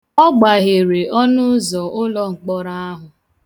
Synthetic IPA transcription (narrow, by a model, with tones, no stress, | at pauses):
ɔ˦ɡ͡ba˨ɦe˨ɾe˨ʔɔ˦nʊ˦zɔ˨ʔʊ˦lɔ˦ŋ͡m̩˨k͡pɔ˦ɾa˦a˦ɦʊ˨